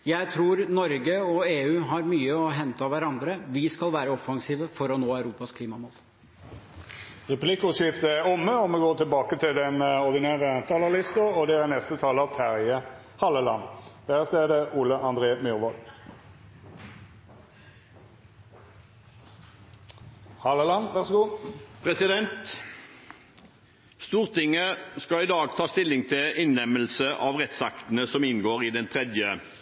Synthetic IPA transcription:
jæɪt̪ʰɾuːɾnɔɾɡəɔeːʉːɦɑɾmyːəɔɦɛnt̪ɑʋæɾɑnd̪ɾəʋɪskɑlʋæːɾəɔfɑŋsiːʋəfɔɾɔnoːæʉɾuːpɑskʰliːmɑmoːl | ʁɛpʰlɪkʊsɪft̪əæɔmːəɔmɛɡoːt̪ɪlbɑːkət̪ʰɪld̪ɛnɔʁd̪ɪnæːʁət̪ʰɑːləʁlɪst̪əʁɔd̪ɛænɛst̪ət̪ʰɑːləɑt̪ʰæʁə | hɑlːəlɑnd̪̥æːʁəst̪eːd̪əʔuːləʔɑnd̪ʁeːmjʏʁʋɔl | hɑləlɑnʋæʁsɔɡuːpʰʁɛsɪd̪ɛnt̪ | st̪uːʁt̪ʰɪŋːəskɑɪd̪ɑːɡt̪ʰɑːst̪ɪlːɪŋt̪ʰɪʔɪnlɛməlsəʔɑʋʁɛt̪sɑkt̪nəsɔmɪnɡoːʁɪd̪ɛnt̪ʰʁɛd̪jə

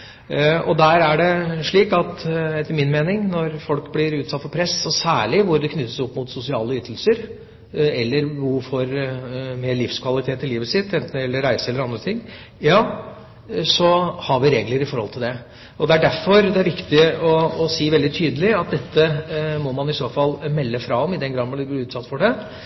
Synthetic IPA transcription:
ɔd̪æɾæɖɛʂɭiːkɑt̪ɛt̪ːəɾmɪnmeːnɪŋnɔɾfɔlkblɪɾʉːt̪sɑt̪fɔɾpʰɾɛsɔsæːɭɪʋʊɾd̪ɛkʰnʏt̪ːə̥sɔpːmʊt̪sʊsɪɑ̰ːləyːt̪ʰəl̩səɾ | ɛlːəɾʋʊɾfɔɾmeːɭɪfskʰʋɑlɪt̪ʰeːt̪ːɪliːʋəsɪt̪ːɛnt̪n̩ɛlːəɾæɪsəɛlːəɾɑnd̪ɾət̪ʰɪŋː | jɑː | sɔhɑɾʋɪɾeːɡləɾɪfɔɾhɔlt̪ɪld̪ɛ | ɔd̪ɛæɖæɾfɔɾd̪ɛæɾʋɪkt̪ɪɔːsiːʋɛld̪ɪt̪ʰyːd̪əlɪɑt̪̚d̪ɛt̪ʰːəmɔmɑnɪsoːfɑlːmɛlːəfɾɑɔmɪd̪ɛnɡɾɑːd̪mɑɪblɪɾʉːt̪sɑt̪ːfɔɖɛ

